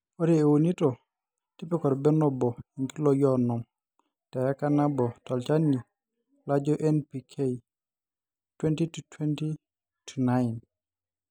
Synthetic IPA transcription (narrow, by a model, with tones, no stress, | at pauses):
ɔ˦ɾie˨wo˨ni˦tɔ˨ | ti˦pɛ˦kɔ˨ɾbɛ˦nɔ˦bɔ˨i˨ŋki˦lɔjɔnɔ˨m | ta˨ja˦ka˦na˦bɔ˨tɔ˨lt͡ʃa˦ni˨ | la˦d͡ʒɔʔɛ˦npikʰe | twɛ˦ntitu˨tʰwɛ˦nti˦ | tʰunajn